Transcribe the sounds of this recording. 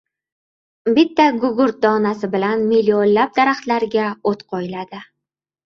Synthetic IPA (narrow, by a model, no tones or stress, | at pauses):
bɪt̪ʰːaɡʊɡʊɾt̪̚d̪ɒnasɪbɪlanmilʲːionlab̚d̪aɾaχt̪laɾɡʲaot̪qʰɒjɪlad̪ɪ